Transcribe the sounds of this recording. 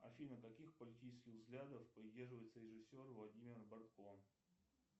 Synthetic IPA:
ɐ̰fʲilʲnəkɐkʲixpəlʲɪtʲit͡ɕɪskʲɪɣvzɡlʲad̪əfpɾʲɪdʲe̞rʐɨvəjt̪səɾʲɪʐɨsʲo̞rvlˠɐdʲimʲɪrbɐrt̪kon

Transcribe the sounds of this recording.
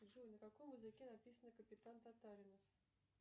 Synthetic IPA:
ʐɨnʲəkakɔmɨzɨkʲɛnapʲisənəkəpʲɪt̪ant̪at̪aɾʲɪnəf

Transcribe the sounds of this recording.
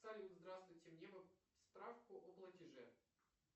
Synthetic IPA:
alʲɪzd̪ɾast̪vʊjtʲɪmnʲevɨspɾafkʊʔoplˠətʲɪʐɛ̰

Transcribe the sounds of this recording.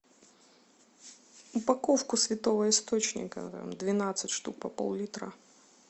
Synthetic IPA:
ʊpakɔfkʊsʲvʲɪt̪ɔvɐist̪ot͡ɕnʲɪ̰kɐ̰t̪a̰md̪vʲɪnat̪sɨtʲʂt̪ṵk̚pɐpɔ̰lˠlʲit̪ɾɐ̰

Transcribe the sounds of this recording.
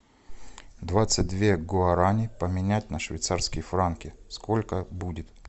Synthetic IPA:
d̪vat̪sɨt̚ʲd̪vʲe̞ɡoɐɾanʲɪpəmʲɪnʲætʲnəʂvʲɪ̰jt̪sarskʲɪjəfɾankʲɪskolʲkəbudʲɪt̪

